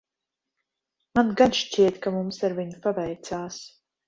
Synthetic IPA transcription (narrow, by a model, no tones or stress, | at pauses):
manɡanʃt͡ʃʲiɛt̪kamumsaɾvʲiɲpabɛjt̪saːs